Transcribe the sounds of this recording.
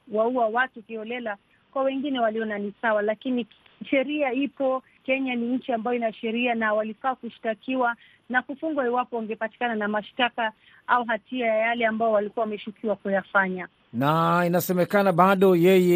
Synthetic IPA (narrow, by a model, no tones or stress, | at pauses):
wauawatukiɔlɛla | kwawɛŋɡinɛwaliɔnanisawalakiniʃɛɾiaipɔ | kɛɲaniɲ̩t͡ʃiambajɔinaʃɛɾianawalifaːkuʃi̥takiwa | nakufuŋɡwaiwapɔwaŋɡɛpati̥kananamaʃtaka | auɦatiajajalɛambajɔwalikuwawamɛʃukʰiwakujafaɲa | nainasɛmɛkanaɓaɗɔjɛjɛ